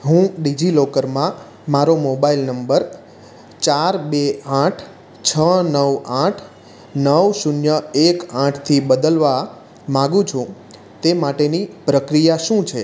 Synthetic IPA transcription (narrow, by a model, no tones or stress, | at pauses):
ɦũɖid͡ʒilokəɾmã | maɾomobailnəmbəɾ | t͡ʃaɾbeãʈʰ | t͡ʃʰənəʋãʈʰ | nəʋsunjəekãʈʰt̪ʰibəd̪əlʋa | mãɡũt͡ʃʰũ | t̪emaʈenipɾəkɾijaʃũt͡ʃʰe